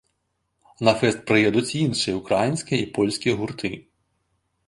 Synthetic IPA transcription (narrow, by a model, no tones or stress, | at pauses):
nɐfɛst̪̚pɾɪjɛd̪ut͡sʲinʂɨjɐukɾajinʲsʲkʲiipɔlʲsʲkʲijɐɣurt̪ʰɨ